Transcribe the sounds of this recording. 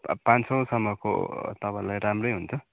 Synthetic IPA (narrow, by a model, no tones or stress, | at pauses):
pãnsʌw̃sʌmːʌko̰t̪ʌpãlajɾamrʌjɦunt͡sʰʌ